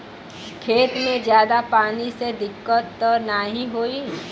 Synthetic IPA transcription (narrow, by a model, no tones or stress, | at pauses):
kʰeːt̪mẽd͡ʒjaːd̪apaːnised̪ɪkːət̪ːɔːnaɦĩɦoːi